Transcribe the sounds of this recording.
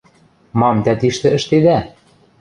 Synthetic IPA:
mɑmt̪æt̪iʃt̪ɘ̆ə̆ʃt̪ed̪æ

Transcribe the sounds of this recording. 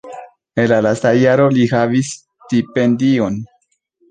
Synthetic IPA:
e̞nlalastajaɾo̞lihavis | tipe̞ndio̞n

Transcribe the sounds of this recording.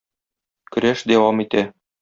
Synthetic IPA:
kɵ̆ɾæʃd̪æwɑmit̪æ

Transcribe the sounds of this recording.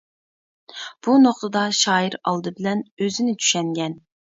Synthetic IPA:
b̥unoχt̪əd̪ɑʃɑːjiɾɑlˠd̪ɨbɪlɛnøzɪnɪt͡ʃʰy̥ʃɛŋɡʲɛn

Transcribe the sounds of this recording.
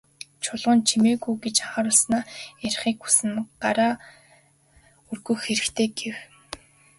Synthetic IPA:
t͡ɕʰʊɮʁʊ̆ːnt͡ɕʰimeːɣujɡet͡ɕaχaːɾʊɮsnaːerχiːkxu̥sɘ̆nɢaɾaː | ɵrɣɵ̆ːxeɾɘ̆kt̪ʰeːɡew

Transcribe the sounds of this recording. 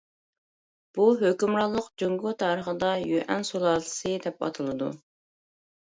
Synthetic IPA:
b̥uɦøkʲymɾɑlˠːəqd͡ʒoŋɡut̪ʰɑːɾəχəd̪ɑjøʔɛnsolˠɑːlˠɨsɨd̪ɛpɑ̰t̪ʰɨlˠɨd̪ṵ

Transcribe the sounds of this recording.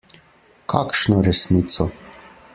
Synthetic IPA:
kʰakʃnɔɾɛsnit̪sɔ

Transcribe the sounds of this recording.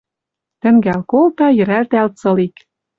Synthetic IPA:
t̪ɘ̆ŋɡælkolt̪ɑjɘ̆ɾært̪ælt͡sɤ̆lik

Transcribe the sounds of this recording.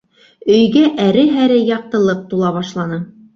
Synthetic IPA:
ɵ̆jɡæʔæɾɘɦæɾɘjɑq̚t̪ɤ̆lˠɤp̚t̪ulˠɑβɑʃlˠɑnɤ

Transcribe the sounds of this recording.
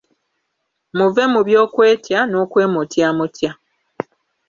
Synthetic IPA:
muve̞muβjo̞ːkwe̞ːtjano̞ːkwe̞ːmutjamutja

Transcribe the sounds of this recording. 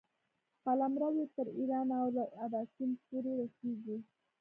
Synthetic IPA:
palamɾawet̪əɾiɾɑnawlaad̪ɑsinpoɾeɾasiɡi

